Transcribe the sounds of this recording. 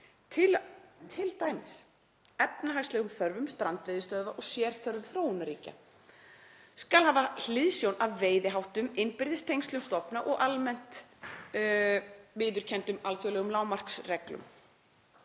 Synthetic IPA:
t̪ʰɪt̪ʰɪlt̪ajmɪs | ɛpnaɦajst̪lɛːɣʏmθœɾvʏmst̪ɾant̪vɪːðɪst̪œðvaʔɔɣsjɛːɾ̥θœɾvʏmθɾoːwʏnaɾiːca̰ | skalɦaːval̥ɪðsjownavveːjðɪɦawht̪ʏmɪnpɪɾðɪst̪ʰejŋst̪lʏmst̪ɔpnaʔɔɣʔalmɛn̥t̪ | vɪːðʏɾ̥cʰɛnt̪ʏmalθjɔwlɛːɣʏmlaːwmar̥ksrɛklʏ̰m

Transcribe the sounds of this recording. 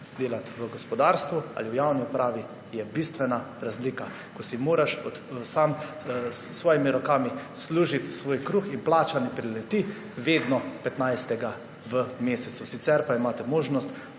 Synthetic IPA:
d̪eːlat̪ʋəɡɔspɔd̪aːɾst̪ʋua̰ːliwjawniupɾaːʋi | jɛbist̪ʋɛnaɾazliːka | kɔsimoːɾaʃɔt̪sam | sːʋɔːjimiɾɔkaːmisluːʒit̪sʋoːjkɾuxinplaːt͡ʃanɛpɾilɛt̪i | ʋeːd̪nɔpɛt̪najst̪ɛɡa | ʋəmeːsɛt̪susit̪sɛɾpaimaːt̪ɛmoːʒnɔst̪

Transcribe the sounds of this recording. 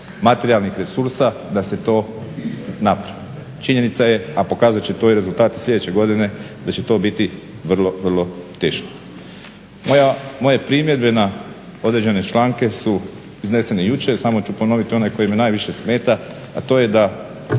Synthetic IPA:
mat̪e̞ɾialˠnixɾe̞suɾsad̪ase̞t̪o̞ː | napɾaʋi | t͡ʃiɲe̞nit̪saje̞apo̞kaːzat͡ʃet̪o̞iɾe̞zulˠt̪aːt̪islʎʲe̞d̪et͡ɕe̞ɡo̞d̪ine̞d̪at͡ʃe̞t̪o̞ːbit̪i | ʋr̩lˠo̞ʋr̩lˠo̞t̪e̞ːʃko̥ | jamo̞je̞pɾimjed̪̚be̞na | o̞d̪ɾe̞d͡ʑd͡ʒe̞ne̞t͡ʃlaːŋke̞su | izne̞se̞nejut͡ʃe̞samo̞t͡ʃupo̞no̞ʋit̪io̞najko̞jemenaːjʋiʃe̞sme̞ːt̪aː | t̪o̞ːje̞d̪a

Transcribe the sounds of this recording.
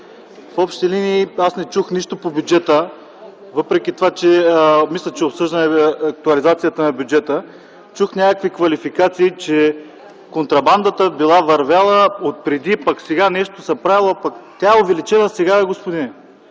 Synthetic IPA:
fɔpʃt̪ɛliniːasnɛt͡ʃuxniʃt̪opobʲjud͡ʒɛt̪ə | vɤpɾɛkʲit̪ovat͡ʃɛmislʲɐt͡ʃɛopsɤʒd̪ənɛɐk̚t̪uɐlizat̪sijət̪ənɐbʲjud͡ʒɛt̪ə | t͡ʃuxnʲakəkvikvɐlifikat̪siːt͡ʃɛ | kont̪ɾɐband̪ət̪əbilˠavɐɾvʲjalˠəot̪̚pɾɛd̪ipɐksɛɡanɛʃt̪osɐpɾavilˠopɐkt̪ʲaɛovɛlit͡ʃɛnəsɛɡaɛɡospod̪inɛ

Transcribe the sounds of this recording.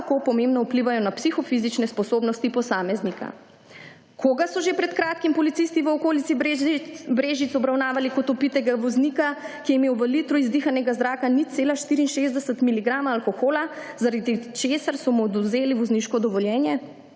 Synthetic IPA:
kopɔmẽmbnɔupliʋajɔnapsixɔfizit͡ʃnɛspɔsoːbnɔst̪ipɔsaːmɛznika̰ | kʰoɡasɔʒepɾɛt̪kɾaːt̪kimpɔlit̪sist̪iʋəɔkoːlitsi | bɾeːʒit̪sɔbɾawnaːʋalikɔt̪ɔpit̪ɛɡaʋɔznikakijɛimeːwʋəlit̪ɾɔizd̪ixanɛɡazɾaːkanit̪seːlaʃt̪iːɾiːnʃeːzd̪ɛsət̪miliɡɾaːmaːlkoxoːlazaɾad̪it͡ʃeːsaɾsɔmud̪uzeːliʋɔzniʃkɔd̪ɔʋɔljɛːnjɛ

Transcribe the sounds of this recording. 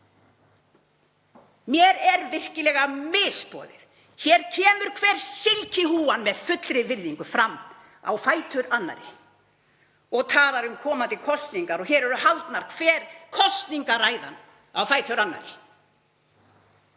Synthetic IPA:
mjɛɾɛɾvɪr̥cɪlɛːɣamɪspɔ̰ːðɪð | çɛːɾ̥cʰɛːmʏɾ̥kʰvɛːɾ̥sɪlcʰɪɦuːanmɛðfʏt̪lɾɪvɪɾðiŋkʏfɾamː | a̰wfaːjt̪ʰœɾanːa̰ɾɪ̰ | ɔɣt̪ʰaːlaɾʏmkʰɔːmant̪ɪkʰɔst̪niŋkaɾɔçɛːɾɛɾʏɦalt̪naɾ̥kʰvɛːɾ̥kʰɔst̪niŋkaraːjða̰n | awfaːjt̪ʰœɾanːa̰ɾɪ̰

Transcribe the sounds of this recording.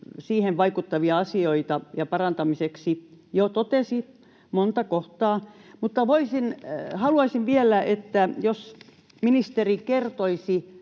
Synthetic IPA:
siːheʋʋɑikut̪ːɑʋiɑɑsioit̪ɑjɑpɑrɑnt̪ɑmiseksijot̪ot̪esi | mont̪ɑkoht̪ɑːmut̪ːɑʋoisinhɑluɑisiʋʋielæʔet̪ːæjos | minist̪erikert̪oisi

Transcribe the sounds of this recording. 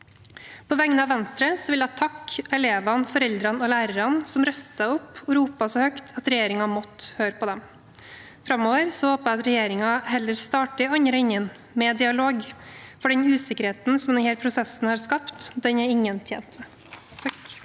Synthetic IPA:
pʰɔʋæŋənəɑʋɛnst̪ɾəsɔʋɪlɑt̪ʰːɑkɛleːʋɑnfɔɾɛld̪ɾɑnɔlæːɾəɾɑnsɔmɾœssæɪʊpːɔɾuːpɑsɔːhœkt̪ʰɑt̪ɾɛjeːɾɪŋɑmɔt̪ːhøːɾəpʰɔd̪ɛm | fɾɑmoːʋəɾsɔhoːpəɑt̪ɾɛjeːɾɪŋɑɦɛlːəɾst̪ɑːʈəɑɲəɾəɪɲːən | mɛd̪ɪɑloːɡfɔɖɛɲʉːsɪkəɾheːt̪n̩sɔmd̪ɛnhæːlɾpʰɾʊsɛsn̩hɑːɾskɑpt̪d̪ɛnæɾɪŋːənt̪ʰjḛːnt̪mɛ

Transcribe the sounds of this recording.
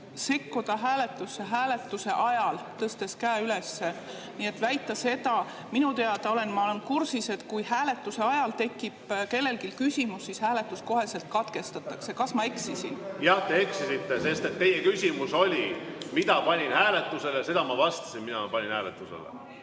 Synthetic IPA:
se̞kːud̪̥ɑɦæːle̞t̪ːˑusːeɦæːle̞t̪ːˑuse̞ʔɑjɑlt̪ɤst̪e̞skæːyle̞sːe | nie̞t̪væjt̪ˑːɑse̞t̪ɑ | minut̪e̞ɑd̪ɑo̞le̞nmɑole̞nkursise̞t̪kujhæːle̞t̪ːˑuse̞ɑjɑlt̪e̞kːib̥ke̞lːe̞lkilkysʲimusːishæːle̞t̪ːˑusko̞ɦe̞se̞lt̪̚kɑt̪ke̞st̪ɑt̪ˑːɑkse̞kɑsmɑe̞ksisinjɑht̪e̞eksisit̪ːe̞se̞st̪e̞t̪ːe̞jekysʲimuso̞lʲimit̪ɑpɑnʲinhæːle̞t̪ːˑuse̞lese̞d̪ɑmɑvɑst̪ɑ̥sinminɑmɑpɑnʲinhæːlḛt̪ːˑusḛlḛ

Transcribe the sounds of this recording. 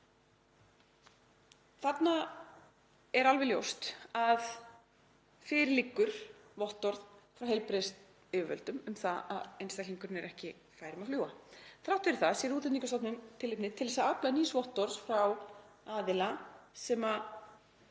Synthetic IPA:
θat̪na | ɛɾalvɛljo̰wst̪að | fɪːɾɪɾlikːʏɾ̥vɔht̪ɔɾðfɾawɦejlpɾest̪ | ɪvœ̰lt̪ʏmʏmθaa̰ðejnst̪akliŋkʏɾnɪɾɛhcɪ | faːjɾɪmaðfluːaθɾawht̪ʏɪɾɪθaðsɛːɾuːt̪ɪnniŋkast̪ɔpnʏmt̪ʰɪlɪp̚nɪt̪ʰɪlðɛsaðaplaniːsvɔht̪ɔɾsfɾaw | aːðɪlasɛma

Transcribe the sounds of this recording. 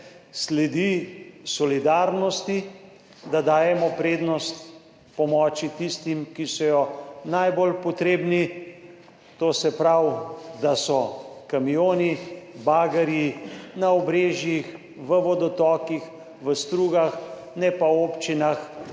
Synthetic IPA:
slɛd̪isɔlid̪aːɾnɔst̪i | d̪ad̪aːjɛmɔpɾeːd̪nɔst̪ | pɔmɔːt͡ʃit̪ist̪imkisɔjɔnajbolpɔt̪ɾeːbni | t̪oːsɛpɾawd̪asɔkamijoːnibaːɡɛɾjinaɔbɾeːʒjix | ʋəʋɔd̪ɔt̪ɔːkix | ʋəst̪ɾuːɡax | nɛpaoːpt͡ʃinax

